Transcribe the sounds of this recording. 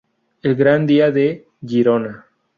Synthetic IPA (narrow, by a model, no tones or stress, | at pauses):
elɡɾand̪iaðe | ʝiɾona